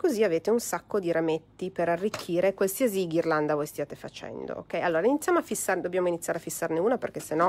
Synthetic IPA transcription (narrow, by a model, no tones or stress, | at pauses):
koziaveːt̪eunsakːod̪iɾamet̪ːipeɾarːikʰːiːɾekwalsiaziɡirland̪avojst̪jaːt̪efa̰t͡ʃɛ̰nd̪o̰o̰kːɛjalːoːɾainit̪sːjamoafːisːaɾrned̪obːjaːmoinit̪sːjaɾeafisːarneuːnaperkesenɔ